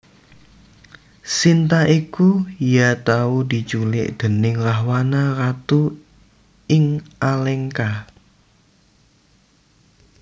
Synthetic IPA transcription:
sint̪aʔikujat̪aud̪̥i̤t͡ʃulɪ̰ʔd̪̥ə̤nɪŋraɦwanarat̪u | ɪŋʔalɛŋka

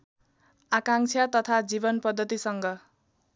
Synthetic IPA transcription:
akãŋt͡sʰat̪ʌt̪ʰad͡zibʌnpʌd̪ʱːʌt̪isʌŋɡʌ

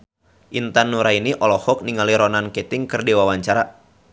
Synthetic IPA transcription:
ʔint̪anːuɾainiʔɔlɔhɔk̚niŋaliɾɔnankɛt̪ɪŋkɨrdiwawaɲt͡ʃaɾa

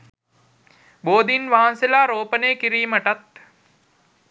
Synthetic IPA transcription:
boːd̪inʋaɦanselaːɾoːpəneːkiɾiːməʈat̪̚

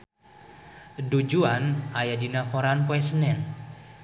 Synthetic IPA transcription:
dud͡ʒuanajadinakɔɾanpoɛsənɛn

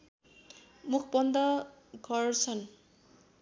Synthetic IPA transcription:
mukʰbʌnd̪ʌ | ɡʱʌrt͡sʰʌn

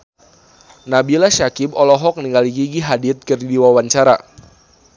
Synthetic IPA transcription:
nabilaʃakibɔlɔɦɔk̚niŋɡaliɡiɡiɦadit̪̚kərdiwawaɲt͡ʃaɾa

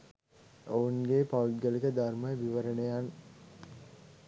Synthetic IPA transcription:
ounɡeːpaʋuɡəlikəd̪armɐjəʋiʋəɾənejan

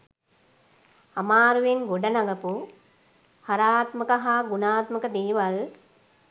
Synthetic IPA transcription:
amaːɾuʋeŋɡoɖənaɡɐpu | haɾaːt̪məkəɦaːɡunaːt̪məkəd̪eːʋal

